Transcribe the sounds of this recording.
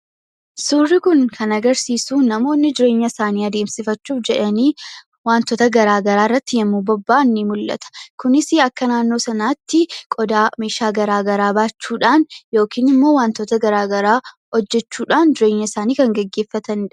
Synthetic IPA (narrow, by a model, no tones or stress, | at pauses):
surːɪkʊŋkʰɐnɐɡɐɾsiːsuːnɐmo̞ːnːɪd͡ʒɪɾe̞ːɲːɐɪsaːniːɐd̪eːmsɪfɐt͡ʃːuːfd͡ʒɛᶑɐniː | waːnt̪ɔːt̪ɐɡɐɾaːɡɐɾaːɪrːɐt̪ːɪjɐmːuːbɔbːaːɪnːimʊlːɐ̰t̪ɐ̥kʊnɪsɪɐkːɐnaːnːoːsɐnaːt̪ːɪkʼɔd̪aːme̞ːʃaːɡɐɾaːɡɐɾaːbaːt͡ʃːuːᶑaːnjo̞ːkiːnɪmːo̞ːwaːnt̪ot̪ɐɡɐɾaːɡɐɾaː | hɔd͡ʒːɛt͡ʃːuːᶑaːnd͡ʒɪɾeːɲːɐɪsaːniːkɐŋɡɛɡːe̞ːfːɐt̪ɐnːᶑɐ